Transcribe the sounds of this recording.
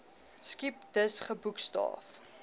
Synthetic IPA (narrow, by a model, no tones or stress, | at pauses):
skip̚dəsχəbukstɑ̰ːf